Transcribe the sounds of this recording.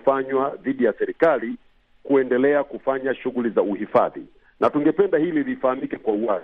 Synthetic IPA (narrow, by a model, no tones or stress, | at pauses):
faɲwaðiɗijasɛɾikali | kuɛndɛlɛakufaɲaʃuɣulizauhifa̰ðḭ | nʔatuŋɡɛpɛndahililifahamikɛkwauwa